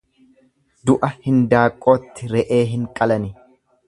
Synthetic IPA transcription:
d̪ʊʔɐhɪnd̪aːkʼːo̞ːt̪ːɪɾɛʔe̞ːɦɪŋkʼɐlɐnɪ

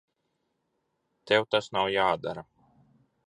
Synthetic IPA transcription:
t̪ɛwt̪asnawjaːd̪aɾa

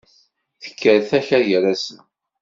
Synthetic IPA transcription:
θə̥kʰːəɾθæçæjəɾæsə

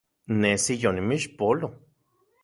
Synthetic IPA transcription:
nesijonimiʃpolo

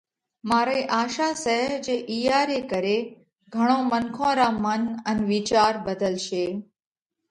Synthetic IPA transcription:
maːɾeːʔaːʃaːsəɦɦd͡ʒeːʔiːjaːɾeːkəɾeː | ɡʱəɽ̃õːmənkʰõːɾaːmənənʋiːt͡ʃaːɾbəd̪ʱəlʃeː

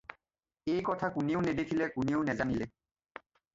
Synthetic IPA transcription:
ejkɔtʰakuniʊnɛd̪ekʰilɛkuniʊnɛzanilɛ

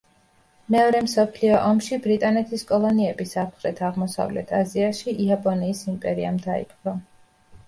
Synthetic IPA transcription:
mɛɔɾɛmsɔpʰliɔʔɔmʃibɾit̪ʼanɛt̪ʰiskʼɔlˠɔniɛbisapʰχɾɛt̪ʰaʁmɔsa̰vlɛ̰t̪ʰaziaʃiʔiapʼɔniːsimpʼɛɾiamd̪aḭpχɾɔ

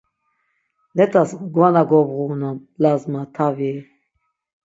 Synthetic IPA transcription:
lɛtʰasɡwanaɡɔbʁunɔmlazmat̪ʰavi

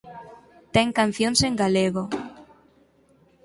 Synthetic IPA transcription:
t̪eŋkan̟θjonseŋɡaleɣo

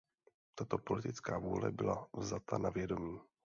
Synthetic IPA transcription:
t̪at̪o̞po̞lɪt̪ɪt͡skaːvuːlɛ̰bɪlavzat̪ʰanavjɛdo̞miː

